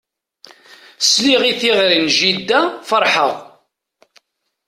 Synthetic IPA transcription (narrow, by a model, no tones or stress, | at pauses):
sliʁiθiʁɾinʒid̪ːæfəɾˤħəʁ